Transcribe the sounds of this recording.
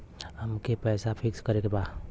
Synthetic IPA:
hɐmkepɛːsapʰɪkskɐɾekebaːd

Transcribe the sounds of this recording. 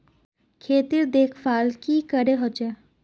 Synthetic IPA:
kʰeːt̪iɾd̪eːkʰfaːlkikəɾeɦot͡ʃɛ

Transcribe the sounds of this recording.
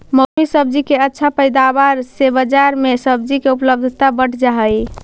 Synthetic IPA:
mosmisəb̚d͡ʒikeətːʃʰapəjd̪abaɾsebəd͡ʒaɾmesəbd͡ʒikeupləb̚d̪ʱt̪abəʈʰd͡ʒaɦəj

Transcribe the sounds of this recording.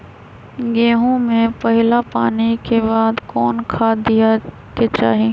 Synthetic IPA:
ɡẽːɦõmẽpɐɦɪlapaːnikebaːd̪kɔːnkʰad̪ija | ket͡ʃaːɦe

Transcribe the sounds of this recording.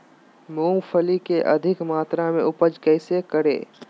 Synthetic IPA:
mõːpʰəlikeʔɐ̰d̪ʱɪkmaːt̪ɾamẽʊpəd͡ʒkɛːsekəɾḛː

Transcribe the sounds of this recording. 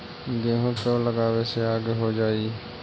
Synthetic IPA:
ɡẽːɦõt̪oːləɡaːʋeseaːɡeɦoːd͡ʒaːiː

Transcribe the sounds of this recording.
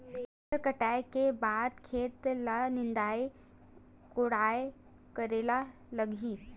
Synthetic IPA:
əkəʈajkebad̪kʰeːt̪lanɪnd̪ai | koɽaj | kəɾela | ləɡʱiːt̪

